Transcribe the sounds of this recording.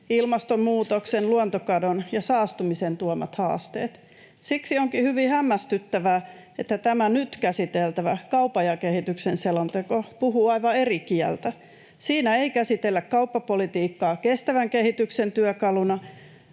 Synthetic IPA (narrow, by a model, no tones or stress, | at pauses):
ilmɑst̪ommuːt̪oksenluont̪okɑdonjɑsɑːst̪umisent̪uomɑ̰t̪hɑ̰ːst̪ḛːt̪ | siksioŋkihyʋihæmːæst̪yt̪ːæʋæː | et̪ːæt̪æmænyt̪kæsit̪elt̪æʋækɑupɑjɑkehit̪yksenselont̪ekopuhuːɑiʋɑerikiɛ̰lt̪æ | siːnæeikæsit̪elːækkɑupːɑpolit̪iːkːɑːkest̪æʋæŋkehit̪yksent̪yøkɑlunɑ